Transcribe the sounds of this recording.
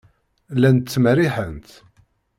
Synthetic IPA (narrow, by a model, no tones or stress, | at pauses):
lːænt̪ːməriħənt̪